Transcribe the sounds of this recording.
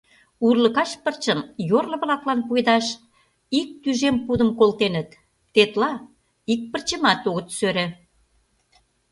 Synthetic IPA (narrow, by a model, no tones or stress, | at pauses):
urlə̆kɑʃpərt͡ɕə̆mjorlɤ̆βlɑklɑnpujd̪ɑʃ | ik̚t̪yʒempud̪ə̆mkolt̪enə̆t̪ː | et̪lɑ | ik̚pə̆rt͡ɕə̆mɑt̪oɣət̪søɾĕ